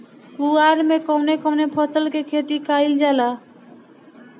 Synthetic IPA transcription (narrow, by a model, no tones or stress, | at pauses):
kuaɾmekonekonepʰɔt̪olkekʰet̪ikajld͡ʑala